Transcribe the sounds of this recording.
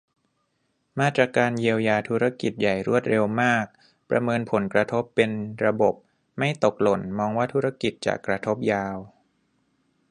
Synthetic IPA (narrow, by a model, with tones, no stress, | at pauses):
maː˧˥˩t̪ɾaː˧˩kaː˧nji˧əwjaː˧t̪ʰuː˦˥ɾa˦˥ki˨˩t̪̚ja˨˩jɾu˥˩ət̪̚ɾe˧wmaː˥˩k̚ | pɾa̰˧mɤː˧npʰo˩˦nkɾa˧t̪ʰo˦˥pːe˧nɾa˧bo˨˩p̚ | ma˥˩jt̪o˨˩k̚lo˨˩nmɔː˧ŋwaː˥˩t̪ʰuː˦˥ɾa˦˥ki˨˩t̪̚t͡ɕa̰˨˩kɾa˧t̪ʰo˦˥p̚jaː˧w